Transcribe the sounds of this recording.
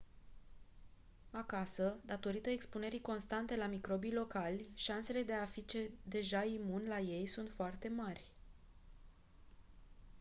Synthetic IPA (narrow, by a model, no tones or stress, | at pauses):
akasəd̪at̪o̞ɾit̪əe̞kspune̞ɾiko̞nst̪ant̪e̞lamikɾo̞bijlo̞kalʲʃanse̞le̞d̪e̞afit͡ʃe̞d̪e̞ʒaimunlaje̞jsunt̪foart̪e̞marʲ